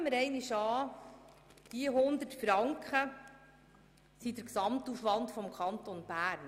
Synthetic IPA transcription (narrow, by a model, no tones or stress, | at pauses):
məɾɛɪnɪʃɑː | d̪̥iɦʊnd̪ətfɾɑŋkχə | sidəɾksɑmtufʋɑntfɔmkʰɑnt̪ɔnb̥æːɾn